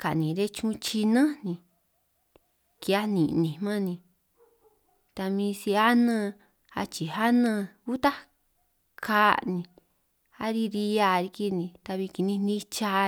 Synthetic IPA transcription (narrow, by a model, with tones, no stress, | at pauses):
ka˨nĩ˨ɾe˦t͡ʃũ˦˧˦t͡ʃi˧nã˦nĩ˧ | ki˧a˦nĩ˨nĩ˨mã˦nĩ˧ | t̪a˧mĩ˧si˧a˦nã˦˧ | a̰˧t͡ʃi˨ɦa˦nã˧u˦t̪a˦ | kʰa˦nĩ˧ | a˦ɾi˧ɾi˧a˧ɾi˧ki˧nĩ˧t̪a˧βi˧ki˧nĩ˧nĩ˦t͡ʃa˧